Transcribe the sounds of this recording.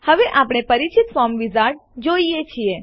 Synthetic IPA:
həʋeʔapɽ̃epəɾit͡ʃit̪fɔmʋizaʈd͡ʒoijet͡ʃʰie

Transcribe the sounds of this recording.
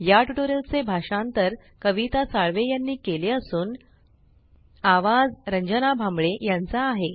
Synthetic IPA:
jaʈuʈoɾelt͡sebʱaʂãnt̪əɾ | kəʋit̪asaɭʋejanːiːkeleəsuːn | aʋad͡zɾəɲd͡ʑənabʱamɭejant͡saːɦe

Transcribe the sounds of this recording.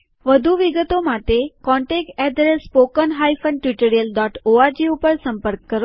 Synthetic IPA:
ʋəd̪ʱuʋiɡət̪omaʈekɔɳʈek̚ʈɛd̪ɾespokənɦajfənɖʈʋiʈoɾijəlɖɔʈoaɾd͡ʒiupəɾsəmpəɾkːəɾo

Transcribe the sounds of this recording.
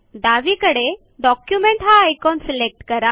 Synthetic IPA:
d̪aʋikəɽe | ɖɔkjumeɳʈɦaːjkɔnsilek̚ʈkəɾa

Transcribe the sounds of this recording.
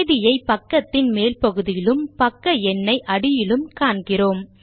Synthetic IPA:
ðɪjɐɪpɐkːɐt̪ːɪnmeːlpɐɣɯðɪjɪlɯmpɐkːɐɛnːɐɪʔɐɽɪjɪlɯmkaːɳɡɪroːm

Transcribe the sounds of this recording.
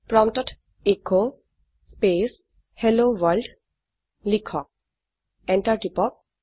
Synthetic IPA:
pɹɔmtɔtʰ | eko | spes | helowaɹld | likʰɔk̚ | ɛntaɹtipɔk̚

